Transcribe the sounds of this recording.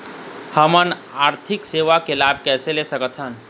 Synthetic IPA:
həmənaːɾt̪ʰɪkseːʋakelaːb̚kɛːselesəkət̪ʰɦən

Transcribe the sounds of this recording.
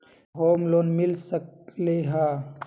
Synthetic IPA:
ɦoːmloːnmɪlsəkleɦaː

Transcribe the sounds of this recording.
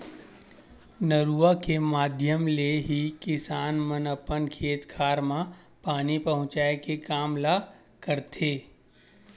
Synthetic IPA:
nəɾuːakemaːd̪ʱjəmleɦikɪsaːnmənəpənkʰeːt̪kʰaːɾmãpaːnipɐɦʊ̃t͡ʃaːekekaːmla | kəɾt̪ʰeː

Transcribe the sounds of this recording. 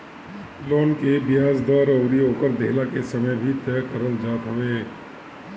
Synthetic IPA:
loːnkebɪjaːzd̪ɔːɾoːɾioːkəɾd̪eɦlakesəməjbʱit̪ɛkəɾəld͡ʒaːt̪ɦʊʋeː

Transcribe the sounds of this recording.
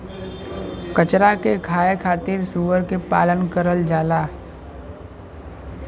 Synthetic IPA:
kət͡ʃɾakekʰaːekʰaːt̪ɪɾsuːʋəɾkepa̰ːlənkəɾəld͡ʒaːlaː

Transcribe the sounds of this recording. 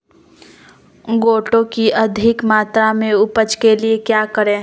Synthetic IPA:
ɡoːʈõkiʔɐd̪ʱɪkmaːt̪ɾamẽʊpət͡ʃkeliekjaːkəɾẽː

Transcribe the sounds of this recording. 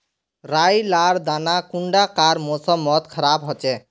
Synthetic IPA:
ɾajlaɾd̪anakuɳɖakaɾmosɔmɔt̪kʰɔɾabɦɔt͡ʃɛ

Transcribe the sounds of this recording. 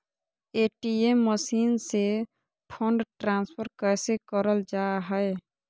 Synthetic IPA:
eʈiemːəsiːnse | pʰəɳɖʈɾaːnspʰəɾkəɪsekəɾəld͡ʒaɦəe

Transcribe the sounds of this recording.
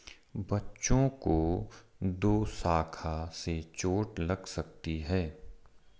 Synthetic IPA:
bɐtːʃõko | d̪oːsaːkʰaset͡ʃoːʈlɐɡsɐk̚t̪iɦɛː

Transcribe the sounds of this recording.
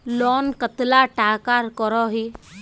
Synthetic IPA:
lɔːnkət̪laʈaːkaːɾkɔɾɔɦiː

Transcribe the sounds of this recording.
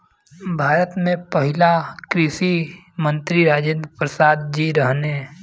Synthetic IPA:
bʱaːɾət̪mẽpəɦɪlakɾɪʃi | mə̃nt̪ɾiɾaːd͡ʒɪ̃nd̪pɾəsaːd̪d͡ʒiɾəɦne

